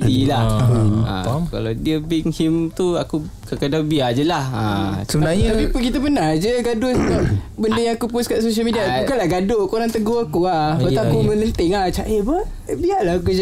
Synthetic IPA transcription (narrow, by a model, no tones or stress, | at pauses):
dilaha̰ka̰lawdiəbiŋhimt̪uaku | kəkədabiad͡ʒəlahasəbənaɲt̪apipukit̪abənad͡ʒəɡadostaʔ | bəndəjaŋakupʊskaʔsos̬əlmidiakukalahɡadokoɾaŋt̪əɡoakuabat̪aakumənənt̪iŋat͡ʃaʔebə | biaʔlahk̬ud͡ʒa